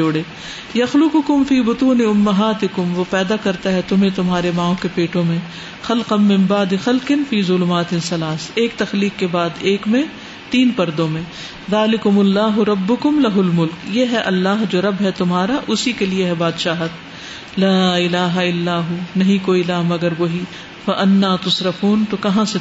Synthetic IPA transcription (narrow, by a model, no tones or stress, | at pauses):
oːɽeː | jɐxlʊqʊkʊmfiːbʊt̪uːnɪʊmːɐɦaːt̪ɪkʊmʋoːpɛːd̪akɐɾt̪aɦɛt̪ʊmɦẽt̪ʊmɦaːɾemãːõkepeːʈõmẽ | xɐlqɐnmɪ̃mbaːd̪ɪxɐlqɪnfiːzʊlʊmaːt̪ɪsɐlaːseːk̚t̪ɐxliːqːebaːd̪eːkmẽ | t̪iːnpɐɾd̪õmẽ | ðaːlɪkʊmʊlːaːɦʊɾɐbːʊkʊmlɐɦʊlmʊlkjeɦɛʔɐlːaːɦd͡ʒoːɾɐbɦɛt̪ʊmɦaːɾaʔʊsikelieɦɛbaːd̪ʃaːɦət̪ | laːɪlaːɦaɪlːaːɦunɐɦĩkoːilaːmɐɡəɾʋoːɦi | fɐʔɐnːaːt̪ʊsɾɐfuːnt̪okɐɦãse